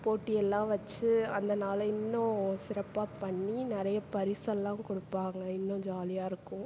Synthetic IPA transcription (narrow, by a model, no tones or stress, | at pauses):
poːʈːɪjɛlːãːʋɐt͡ʃːɯɐnd̪ɐnaːlɐɪnːʊ̃sɪɾɐpːaːpɐɳːinɪɾɐjɐpɐɾɪsɐlːãːkɔɽɯpːaːŋɡɐɪnːʊ̃d͡ʒaːlɪjaːɪɾɯkːʊ̃